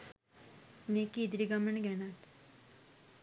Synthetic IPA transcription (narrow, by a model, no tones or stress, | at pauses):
nekid̪ɾiɡaməɳɡɛnaʈ